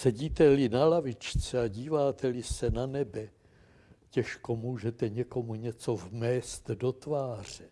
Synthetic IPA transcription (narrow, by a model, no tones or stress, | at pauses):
sɛɟiːt̪ɛlɪnalavɪt͡ʃt͡sɛaɟiːvaːt̪ʰɛlɪsɛnanɛbɛ | cɛʃko̞muːʒɛt̪ɛɲɛko̞muɲɛt͡so̞vmɛːst̪do̞t̪vaːr̝̥ɛ